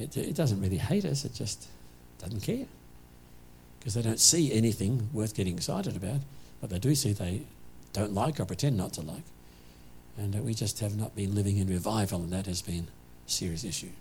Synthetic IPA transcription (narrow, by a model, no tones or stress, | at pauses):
ɨtɪ̰t̚d̥ʌzɨ̃nt̚ɹɪlˠiheɪɾʌsɨt̚d̥ʒ̥ʌst | d̥ʌzn̩kʰɛɹ | kʰʌzðeɪɾõʊ̃ntsiɛniθɪ̃ŋwɜ˞θɡ̥ɛɾɪ̃ŋɪksa̰ɪɾɨɾɨbaʊt̚b̥ʌt̪̚ðeɪdɨsiðeɪd̥õʊ̃ntˡlaɪkə˞pʰɹ̥ɨtʰɛ̃nːətʰəla̰ɪk | ɨ̃nwid͡ʒʌst̚hɨvnət̚b̥ɨ̃nlɪvɪ̃ŋɨ̃nɹɨvaɪvl̩ˠə̃nðɨt̚hɨzbɨ̃n | sɪɹiɨsɪʃʉ